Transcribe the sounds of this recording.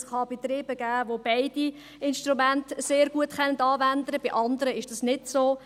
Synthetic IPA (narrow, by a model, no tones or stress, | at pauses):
sχɑb̥it̪ɾiːb̥əɡ̥æːʋobɛɪd̥i | ɪnʃtɾumæntseːɾɡ̥uətχɛnəd̪ɑːʋænd̪əɾəb̥iʔɑnd̪əɾəɪʃd̥ɑsnɪdsoː